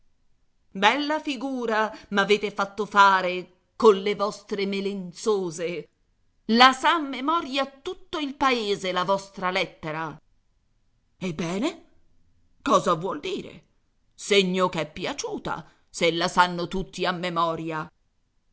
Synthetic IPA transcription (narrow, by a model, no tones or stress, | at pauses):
bɛlːafiɡuːɾamaveːt̪efat̪ːofaːɾe | konlevɔst̪ɾemelent̪soːze | lasamːemɔɾjat̪ːut̪ːoilpaeːzelavɔst̪ɾalɛt̪ːeɾa | ebːɛːne | kɔːzavwɔld̪iːɾḛ | seɲːokɛpːjat͡ʃuːt̪a̰ | selːasanːot̪ut̪ːiamːemɔːɾja